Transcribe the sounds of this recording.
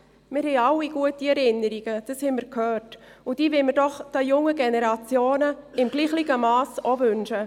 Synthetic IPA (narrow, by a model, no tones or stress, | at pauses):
mɪɾhɛɪɑlːiɡ̥uətiɛɾɪnːəɾiɡ̥əd̥əshɛɪməɾkʰhœːrt | ʊd̥iːvɪlməɾd̥ɔχd̥ajʊŋəɡɛnɛɾɑt͡sjoːnəɪmɡ̥liːχlɪɡəmɑːsovʏnʃə